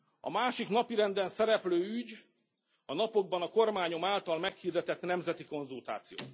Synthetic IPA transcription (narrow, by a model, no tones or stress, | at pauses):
ɒ̰maːʃiknɒpiɾɛnd̪ɛnsɛɾɛpløːyɟ | ɒnɒpo̞ɡ̚bɒnɒko̞rmaːɲo̞maːlt̪ɒlmɛkhiːrd̪ɛt̪ɛt̪nɛmzɛt̪iko̞nzult̪a̰ːt̪sijo̰ːt̪